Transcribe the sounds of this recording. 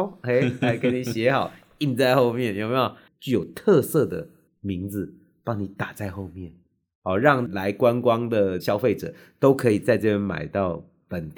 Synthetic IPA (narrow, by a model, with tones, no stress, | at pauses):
e˧˦la˧˥ɪkə˧˦ni˨˩ɕjɛ˧˥xɑ˨˩˦ʊ | i˥˧nt͡sa˥˧ɪxo˥˧ʊmjɛ˥˩njmi˧˥jo˨˩ʊ | t͡ɕy˥˩jo˨˩ʊt̪ʰɤ˥˧sɤ˥˩d̪ə˩ | mi˧˥ŋd͡zɹ̩˨ | pɑ˦˥ŋni˨˩˦t̪a˨˩t͡sa˥˧ɪxo˥˧ʊmjɛ˥˩n | hɑ˨˩ɻɑ˥˨ŋla˧˦ɪkwa˦nkwɑ˥ŋd̪ə˨ɕjɑ˥ʊfe˥˩ɪʈ͡ʂɤ̰˨˩ | t̪o˥ʊkʰɤ˧˥i˨˩t͡sa˥˧ɪʈ͡ʂɤ˥˧pjɛ˥˩nma̰˨˩ɪt̪ɑ˥˩ʊ | pə˨˩nt̪